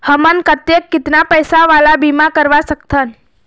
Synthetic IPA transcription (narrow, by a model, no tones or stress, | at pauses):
həmənkət̪jekːɪt̪napəjsaʋalabimãkəɾʋasəkt̪ʰən